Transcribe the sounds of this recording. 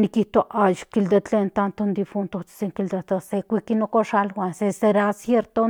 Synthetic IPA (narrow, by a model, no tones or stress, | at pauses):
nikiht̪oʔajkild̪et͡ɬent̪ant̪ond̪ifunt̪ot͡ʃi̥seŋkild̪et̪osekʷikinokoʃalwʷanseseɾasjeɾt̪o